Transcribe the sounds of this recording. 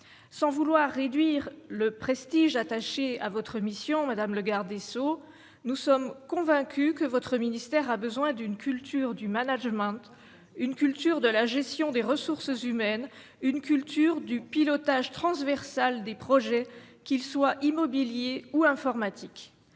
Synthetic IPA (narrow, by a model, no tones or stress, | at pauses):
sɑ̃vulwaʁːed̪ɥiʁləpχest̪iʒat̪aʃeavɔt̪χəmisjɔ̃mad̪amləɡaʁd̪eso | nusɔmkɔ̃vɛ̃kʲykəvɔt̪χəminist̪ɛʁabəzwɛ̃d̪ynkʰʲylt̪yʁd̪ymanaʒmɑ̃t̪ | ynkʲylt̪yʁd̪əlaʒɛst̪jɔ̃d̪eʁəsuʁsəzymɛn | ynkʲylt̪ʰyʁd̪ypilɔt̪aʒt̪χɑ̃svɛʁsald̪epχɔʒɛkʲilswaʔimɔbiljeuɛ̃fɔʁmat̪ʰik